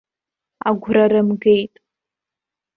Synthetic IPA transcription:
aɡʷraɾɨmɡejtʼ

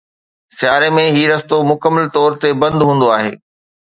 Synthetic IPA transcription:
sɪjaːɾemẽɦiːɾɐst̪omʊkəmːəlt̪ɔːɾt̪ebɐ̃nd̪ɦũːn̆d̪oaːɦḛː

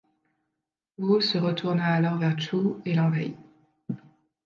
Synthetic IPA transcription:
osəʁət̪ʰuʁnaːlɔʁvɛʁt̪ʰuelɑ̃vai

